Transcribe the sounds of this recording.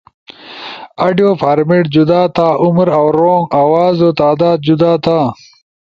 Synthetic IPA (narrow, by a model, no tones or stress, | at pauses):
aɖjoːfaːɾmiʈd͡ʑud̪aːt̪ʰaːʔumɾawɾoːŋɡaːwaːzoːt̪aːd̪aːd̪̚d͡ʑud̪aːt̪ʰaː